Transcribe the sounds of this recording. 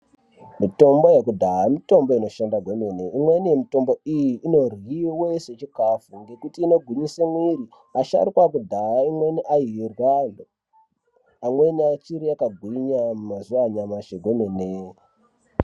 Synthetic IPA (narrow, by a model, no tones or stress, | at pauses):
mito̞mbo̞jekudʱaamito̞mbo̞ino̞ʃandaɡʱweneneimwe̞nijemito̞mbo̞ijiʔːno̞rwiweset͡ʃikafuŋɡe̞kutiːno̞ɡʱuɲisemwiɾi | aʃa̰ɾikwakudʱaaimwe̞niʔairwan | amwe̞niat͡ʃiɾiakaɡʱwiɲamumazuwaɲamaʃeɡʱenene